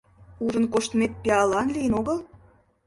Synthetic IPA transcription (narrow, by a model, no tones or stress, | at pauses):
uʒə̆nkoʃt̪met̪̚pʲeɑlɑnlijənoɣəl